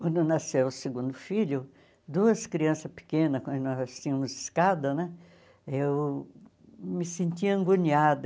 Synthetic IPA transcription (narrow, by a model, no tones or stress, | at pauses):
kwɐ̃nd̪ʊnasewʊseɡũnd̪ʊfiʎʊ | d̪uɐskɾiɐ̃sɐpɪ̥kẽnɐkwɐ̃nd̪ʊnɔst͡ʃĩɐ̃mʊzɪskad̪ɐnɛ | ew | mɪsẽnt̪iɐẽŋɡuɲiad̪